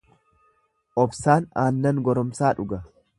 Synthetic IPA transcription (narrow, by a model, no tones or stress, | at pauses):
ʔɔbsaːnaːnːɐŋɡɔɾɔmsaːᶑʊɡɐ